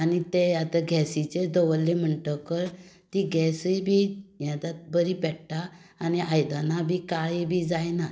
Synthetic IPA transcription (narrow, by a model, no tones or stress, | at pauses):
anit̪eat̪aɡʱɛsit͡ɕed̪ɔʋəlːem̤əɳʈəkəɾ | t̪iɡʱɛsəjbʱijãt̪at̪̚bəɾipɛɽʈaː | niajd̪anabʱikaibʱid͡zajna